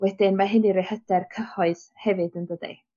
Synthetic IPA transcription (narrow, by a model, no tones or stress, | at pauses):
wɛdɪnmaɦɪniɾehəd̥ɛrkʰəhɔɨðhɛvɨdəndədḭ